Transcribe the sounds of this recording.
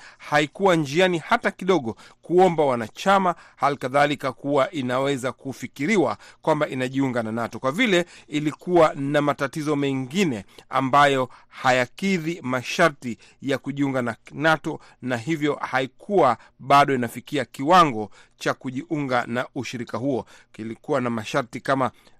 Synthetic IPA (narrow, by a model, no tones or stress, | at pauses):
haikuwand͡ʒianihatakiɗɔɠɔkuɔmbawanat͡ʃamahalikaðalikakuwaʔinawɛzakufikiɾiwa̰kwambaʔinaʄiuŋɡananatɔkwavilɛilikuwanamatatizɔmɛŋɡinɛa̰mbajɔhajakiðimaʃaɾti | jakuʄiuŋɡananatɔ | naɦivjɔhaikʰuwa | ɓaɗɔinafikiakiwaŋɡɔt͡ʃakuʄiʔuŋɡanauʃiɾikahuɔ | ilikuwanamaʃaɾtikama